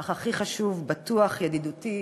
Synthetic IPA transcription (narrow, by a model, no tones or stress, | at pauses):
aχaχiχaʃuvbat̪uaχjad̪id̪uti